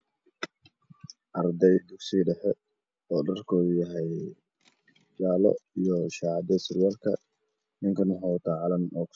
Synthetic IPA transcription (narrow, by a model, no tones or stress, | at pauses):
ʔɐrd̪ɛjd̪ʊɡsiːɖɛħɛ | ɔːɖɐrkʰɔːjɐɦɛj | jaːlɔ̰ijɔʃɑʕɑd̪ɐsɪɾɪjaːlkʰɐ̰ | nɪŋkʰɐnħɔt̪ʰɐʕɑlɐnɔːk